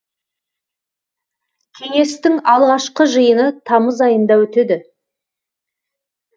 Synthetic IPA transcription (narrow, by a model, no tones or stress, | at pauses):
kʲʰe̞ŋe̞st̪ɪŋɑlˠʁɑʃqəʒəjənət̪ʰɑməzɑjənd̪ɑwɵt̪ed̪ɪ